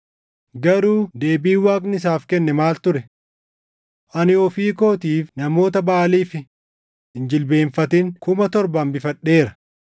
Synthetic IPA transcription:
ɡɐɾuːd̪e̞ːbiːwaːkʼnɪs̬aːfkɛnːɛmaːlt̪ʊɾɛ | ʔɐnɪɔfiːko̞ːt̪iːfnɐmo̞ːt̪ɐbaːliːfɪ | ɪnd͡ʒɪlbe̞ːɱfɐt̪ɪŋkʊmɐt̪ɔɾbɐmbɪfɐɗːe̞ːɾɐ̥

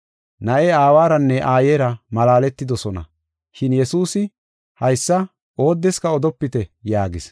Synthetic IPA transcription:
nɐʔɛaːwaːɾɐnːɛʔaːjeːɾɐmɐlaːlɛt̪ːɪd̪ɔsɔnɐ̰ | ʃɪnjɛsuːsɪ | hɐjsːɐ | o̞ːd̪ːɛskɐɔd̪ɔpːɪt̪ɛjaːɡɪs

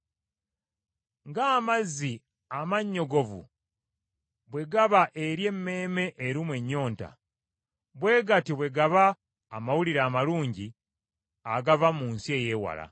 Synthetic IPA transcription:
ŋɡaːmazːi | amaɲːo̞ɡo̞vṵ | βwe̞ɡaβaʔe̞ɾje̞mːe̞ːme̞ʔeɾimwe̞ɲːo̞ːnta̰ | βwe̞ːɡatiβwe̞ɡaβaː | mawuliɾaːmaluːɲɟi | aɡavamuːnsie̞je̞ːwa̰la̰

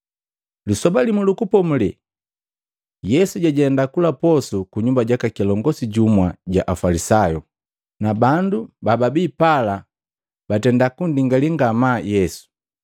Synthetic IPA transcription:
lisɔbalimulukupɔmulɛ | jɛsuɟaɟɛndakulapɔsukuɲumbaɟakakilɔŋɡɔsiɟumwaɟa̰ʔafalisajɔ | nabandubababipala | batɛndakundiŋɡaliŋɡamajɛsu̥

